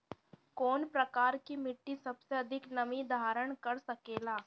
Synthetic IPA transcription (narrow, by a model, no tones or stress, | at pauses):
koːnpɾɐkaːɾkimɪʈːisɐbseɐd̪ʱɪknɐʋid̪ʱaːɾəɽ̃kɐɾsɐkeːlaː